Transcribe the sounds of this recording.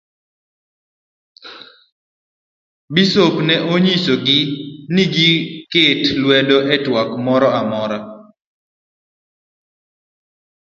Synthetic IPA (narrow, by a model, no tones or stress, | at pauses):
bisopnɛʔoɲisoɡɪnɪɡiketlwɛdɔʔɛtwakmɔɾɔamɔɾɔ